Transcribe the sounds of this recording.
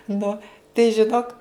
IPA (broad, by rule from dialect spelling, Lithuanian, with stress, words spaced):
ˈnʊ tɐɪ ʒʲɪˈnoːk